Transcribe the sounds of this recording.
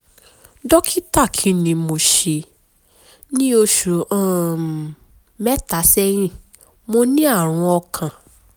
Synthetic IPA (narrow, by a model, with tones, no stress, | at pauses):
dɔ˦kʰi˦ta˦˨kʰĩ˨˧nĩ˧mo˧ʃe˧ | nĩ˦o˧ʃu˨ã˦˨ | mɛ˦ta˨˦sɛ˦j̃ĩ˦˨ | mo˧nĩ˦a˦˨ɾ̃ũ˧ɔ˧kʰã˨